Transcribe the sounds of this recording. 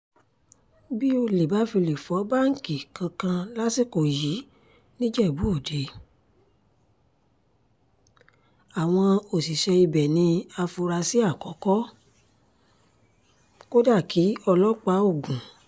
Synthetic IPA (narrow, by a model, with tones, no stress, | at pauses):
bi˦o˧le˨ba˨˦fi˧le˨fɔ˨˦ba˦ŋ̩˦˨ki˨kã˧kã˧la˦si˦˨ko˨ji˨˦ | nĩ˦d͡ʒɛ˦˨bu˨˦o˦˨de˨˦ | a˨w̃ɔ̃˧o˨si˨ʃɛ˧i˧bɛ˨nĩ˧a˧fu˧ɾa˧si˦a˦˨kɔ˨˦kɔ˦ | ko˦da˦˨ki˨˦ɔ˧lɔ˦k͡pa˧˦o˦˨ɡũ˨